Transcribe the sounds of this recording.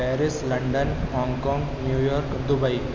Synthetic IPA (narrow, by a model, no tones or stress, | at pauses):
eːɾɪslɐɳɖɐnhaːŋkãːŋɡnjuːjɔːɾkd̪ʊbɐɪ